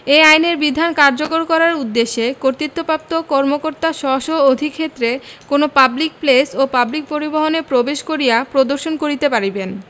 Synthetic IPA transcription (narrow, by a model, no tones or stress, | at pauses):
eajneɾbid̪ʱankaɾd͡ʑokoɾkɔɾaɾud̪ːeʃːekoɾt̪it̪ːopap̚t̪okɔɾmokoɾt̪aʃɔʃood̪ʱikʰet̪ːɾekonopablik̚plesopablik̚poɾiboɦonepɾobeʃkoɾijapɾod̪oɾʃonkoɾit̪epaɾiben